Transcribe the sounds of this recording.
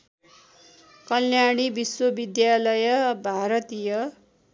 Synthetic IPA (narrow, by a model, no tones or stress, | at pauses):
kʌljaɽ̃ibiswʌbid̪jalʌjʌbʱaɾʌt̪ijʌ